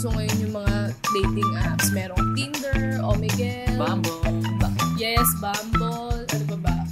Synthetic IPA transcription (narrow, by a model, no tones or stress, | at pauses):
soŋɐjonjʊŋmɐŋad̪ejt̪ɪŋʔapsmɛːɾoŋt̪ind̪ɛɹʔomɪɡɛbamb | jɛsbambolɐnbɐbɐʔ